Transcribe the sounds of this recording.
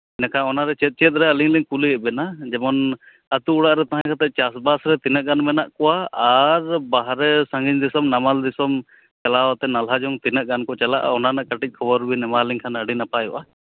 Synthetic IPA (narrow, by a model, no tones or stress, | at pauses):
nakʰaɔnaɾɛt͡ʃɛt̪̚t͡ʃɛt̪̚ˀɾɛəliŋliŋkuliɛbɛnad͡ʒɛmɔn | ət̪uːɽaʔɾɛt̪aɦãkʰat̪ɛʔ̚t͡ʃasbasɾɛt̪inəʔɡanmɛnaʔkɔwaaɾbaɦɾɛsãŋɡiɲd̪isɔmnamald̪isɔm | t͡ʃalawat̪ɛnalɦad͡ʒɔŋt̪inəʔɡankɔt͡ʃalaʔa̰ɔnanaʔkəʈic̚ˀkʰɔbɔɾbinɛmaliŋkʰanəɖinapajɔ̰ʔa